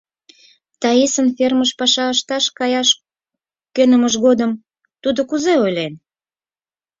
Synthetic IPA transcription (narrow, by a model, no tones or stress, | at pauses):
t̪ɑisənferməʃpɑʃɑəʃt̪ɑʃkɑjɑʃ | kønəməʃɣod̪əm | t̪ud̪okuzeojlen